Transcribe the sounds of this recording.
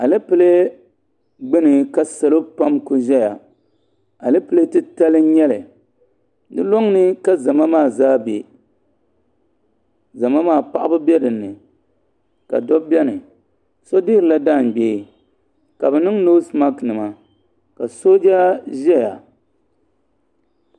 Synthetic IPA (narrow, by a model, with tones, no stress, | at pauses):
a˨lɨ˦pɨ˨˦le˦ | ɡ͡bɨ˦nɨ˨ka˦sa˨lo˦pa˦mku˦ʒɛ˦ja˨ | a˨lɨ˦pɨ˨le˦tɨ˦ta˦lɨ˦ɲɛ˦lɨ˨ | dɨ˦lɔ˦ŋnɨ˦ka˦za˨ma˦maː˦˨zaː˦be˨ | za˨ma˦maː˦˨pa̰˦ʔa˦bɨ˦bɛ˦dɨ˨nːɨ˨ | ka̰˨dɔ˦bbɛ˦nɨ˨ | so˦dɪ˦ɾɨ˨la˦daː˦˨n˨ɡ͡be˨ | ka˨bɛ˨nɨ˦ŋnoː˦sma˦knɨ˨ma˨ | ka˨so˦d͡ʒa˦ʒɛ˦ja̰˨